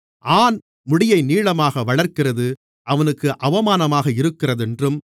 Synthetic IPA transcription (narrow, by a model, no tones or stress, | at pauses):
ʔaːn | mʊɽɪjɐɪniːɻɐmaːɣɐʋɐɭɐɾkɪrɐðɯ | ʔɐʋɐnɯkːɯʔɐʋɐmaːnɐmaːɣɐɪɾɯkːɪrɐðɛndrɯm